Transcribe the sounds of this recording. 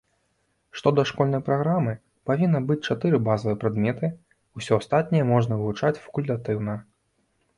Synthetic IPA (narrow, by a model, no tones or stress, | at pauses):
ʂt̪ɔd̪ɐʂkɔlʲnɐjpɾaɣɾamɨ | pavʲinːɐbɨt͡sʲt͡ʂat̪ɨɾɨbazɐvɨjɛpɾad̪mʲɛt̪ɨ | usʲɔast̪at̪̚ʲnʲɛjɛmɔʐnɐvɨvut͡ʂat͡sʲfɐ̥kulʲt̪at̪ɨwnɐ